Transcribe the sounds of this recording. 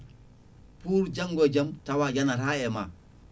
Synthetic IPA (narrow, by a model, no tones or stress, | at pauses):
puːɾd͡ʒaŋɡɔd͡ʒamtawad͡ʒanaɾaɛma̰